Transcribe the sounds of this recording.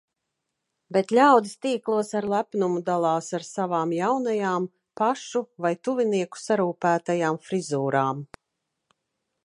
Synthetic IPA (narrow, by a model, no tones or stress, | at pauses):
bet̪lʲawd̪ist̪iːklˠuɔsaɾlˠæpnumud̪alˠɑːsaɾsavaːmjawnajaːm | paʃuvajt̪uviniɛku̥saɾuːpæːt̪ajaːmfɾizuːɾaːm